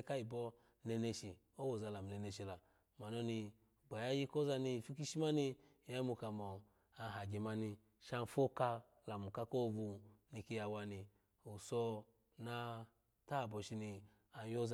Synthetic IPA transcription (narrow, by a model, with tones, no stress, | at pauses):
ka˦i˨bɔ˧ | nɛ˧ne˧ʃi˨ | o˦wo˨za˧la˨mu˨e˧˨ne˧ʃi˨la˨ | ma˨nɔ˦ni˧ | ɡ͡ba˨ja˦ji˦ko˦za˧ni˧˨fi˦ki˦ʃi˦ma˦ni˧˨ | ja˧˦mu˧ka˧˨mɔ˨ | a˧˨ɦa˨ɡi˨ma˧ni˧ | ʃa˧n˨fo˦ka˧ | la˨mu˨ka˧ko˦˨vu˧ni˧ki˧ja˧wa˧ni˧ | u˨sɔ˧ | na˧ | ta˦˨bɔ˧ʃi˧ni˧ | a˧˦jo˦z